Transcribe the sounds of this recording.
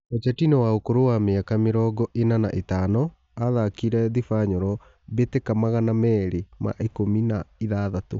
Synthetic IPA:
ot͡ʃɛtinɔwaokoɾowameakameɾɔɡɔʔenanaʔetaːnɔ | aðakiɾɛðifaɲɔɾɔ | βetekamaɣanamɛɾema̰ʔekominaiðaːðato

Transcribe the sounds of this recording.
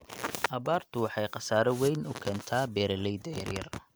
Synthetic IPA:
ʔɐβaːrt̪ʰʊwɑħɑjqɑsaːɾɔwɛjnʔʊkʰɛːnt̪ʰaːbɛːɾɐlɛjd̪ɐjɐ̰rjɐr

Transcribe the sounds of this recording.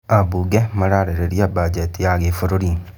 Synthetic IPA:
abuɡɛmaɾaɾɛɾeɾiabad͡ʒɛtiaɡefoɾoɾi

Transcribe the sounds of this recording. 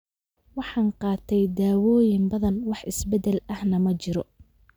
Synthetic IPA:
wɑħɑːnqɑːt̪ʰɛjd̪aːwɔːjɪmbɐðɐnwɑħɪsbɛd̪ɛlɐhnɐmɐt͡ʃɪɾɔ

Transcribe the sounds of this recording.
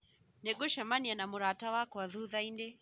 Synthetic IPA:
nɛɡɔʃamanianamuɾatawakɔwaðuðaindɛ

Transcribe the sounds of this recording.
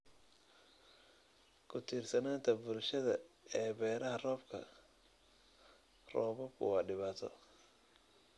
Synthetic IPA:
kʰʊt̪ʰiːrsɐnaːnt̪ʰɐbʊɾʃɐðɐɛːbɛːɾɐɦɐrɔːbkʰɐ̰ | rɔːβɔkʰʊ̰wɑːɖɪβaːt̪ʰɔ̰

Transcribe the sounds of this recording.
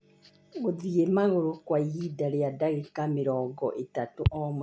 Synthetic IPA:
ɣoðiemaɣoɾokwaiɦidaɾeadaɣekameɾɔːŋɡɔʔetatoʔɔmo

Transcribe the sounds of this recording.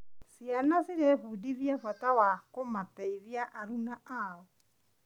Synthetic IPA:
sianasiɾɛfudiðjafwatawakomatɛiðiaʔaɾunaaɔ

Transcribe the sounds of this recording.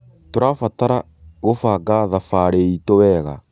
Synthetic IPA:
toɾafataɾa | ɣofaɡaðafaɾeitowɛɣa̰

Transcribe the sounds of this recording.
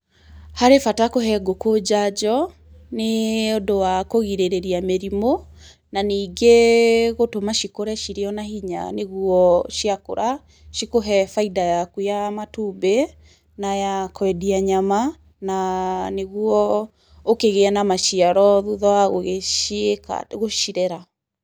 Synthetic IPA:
haɾefatakoɦɛɡokod͡ʑad͡ʑɔ | neodowakoɣiɾeɾeɾiameɾimo | naniːɡeɣotomaʃikoɾɛʃiɾeɔnahiɲa̰neɣuɔʃiako̰ɾʔa | ʃikoɦɛfaidajakujamatube | najakwɛdiaɲama | naneɣuɔ | okeɣeɛnamaʃiaɾɔðuðɔaɣoɣeʃeka̰ɣoʃiɾɛɾa

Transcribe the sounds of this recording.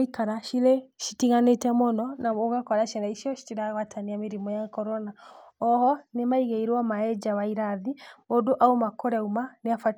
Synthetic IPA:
ikaɾaʃileʃi̥tiŋanetɛmɔnɔnamoɣakɔɾaʃɛɾaiʃiɔʃi̥tiɾaɣwatʰaniameɾimɔjakɔɾɔnaɔhɔnemaiɣeiɾwamaɛd͡ʒawaiɾaðimodoʔaomakɔɾɛumaneafa

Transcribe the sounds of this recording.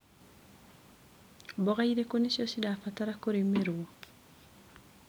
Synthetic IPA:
bɔɣaiɾekonisjɔsidafataɾakoɾimːeɾuo

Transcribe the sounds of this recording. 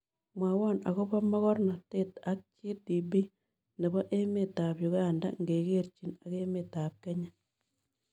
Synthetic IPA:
mwawonaɣoβamaɣoɾonatetak̚t͡ʃidibi | neβoʔemetaβjuɣaːnda̰ŋɡeɣeɾt͡ʃinaɣemetaβ̚keɲa

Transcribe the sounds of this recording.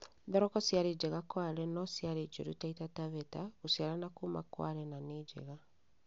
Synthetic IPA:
dɔɾɔkɔsjaɾed͡ʑeɣakwaɾɛnɔsjaɾed͡ʒoɾutaitataβɛtaɣusjaɾanakuma̰kwa̰ɾɛnaneːɟḛɣa

